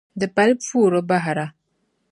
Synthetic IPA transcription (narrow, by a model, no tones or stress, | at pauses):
d̪əpalpfuɾobaɦɾa